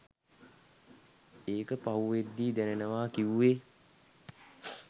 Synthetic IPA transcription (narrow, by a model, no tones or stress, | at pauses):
eːkəpauʋed̪ːiːd̪ɛnenəʋaːkiʋuʋeː